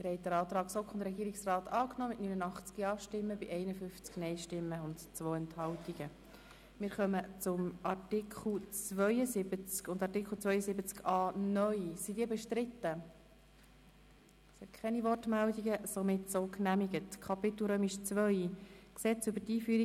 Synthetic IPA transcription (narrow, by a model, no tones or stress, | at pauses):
ɪɾhɛɪdəɾɑːt̪rɑːksokχɔnd̪əɾɛɡiːɾɪksrɑːtɑːknɔːmɪtnynənɑχt͡skiɑːpʃtɪmːəbɪʔɛɪnəfʏft͡sknɛɪʃtɪmːəʊntt͡svoːɛnthɑltiɡ̥ə | mɪːɾχœmət͡sʊmʔɑrtɪkʰl̩t͡sʋœʏəzɪbət͡skʊndɑrtɪkχl̩t͡svœʏəsɪbət͡skɑːnœʏsidiːbɛʃtɾɪt̪ːə | shɛkʰχɛniʋɔrtmældiɡəsomɪtsoːknæmiɡətkʰɑpɪt̪l̩ˠɾøːmiʃt͡sʋœʏksɛt͡sʏbəɾtiːfyːɾi